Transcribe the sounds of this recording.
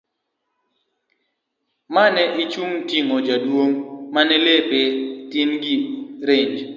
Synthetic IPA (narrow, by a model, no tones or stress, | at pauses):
manɛʔit͡ʃuŋtiŋod͡ʒadwoŋmanelepɪtinɡiɾeɲd͡ʒ